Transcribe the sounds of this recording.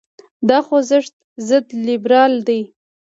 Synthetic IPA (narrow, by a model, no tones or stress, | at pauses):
d̪ɑxozəʂt̪̚ | zəd̪lɪbɾɑld̪aj